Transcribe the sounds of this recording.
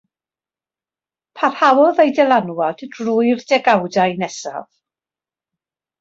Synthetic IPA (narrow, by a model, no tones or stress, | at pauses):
pʰarhawɔðejdɛlˠanwɔd̥drʊjrdɛɡawdajnɛsa̰ð